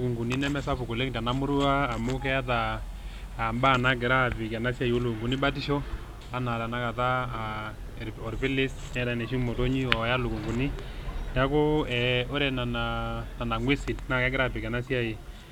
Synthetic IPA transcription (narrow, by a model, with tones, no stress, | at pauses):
ku˨ŋɡu˨ni˦nɛ˦mɛ˦sa˦pu˨ku˨le˦ŋta˨na˦mʊ˦ɾu˦aː˦˨mʊ˦kɛ˦a˦t̬aː˨ | mba˦˨na˦ɡɪ˨ɾa˦˨pɪ˨kɛ˨na˦sja˦˨jo˦lu˨ku˨ŋɡu˨ni˦ba˦t̬i˦ʃɔ˦ | a˦na˨ta˨na˦ka˨ta˦˨ | ɔ˨ɾpɪ˦lɪ˦snɛ˦dɛ˨nɛ˨ʃi˦mo˨to˦ɲi˦ɔ˨ja˦lu˨ku˨ŋɡu˨ni˦ta˦kʊ˦ɛ˨ɔ˦ɾɛ˨na˨na˨na˨na˨ŋwe˦si˨tna˦kɛ˦ɡɪ˦ɾa˦pɪ˨kɛ˨na˦si˦a˦˨i˨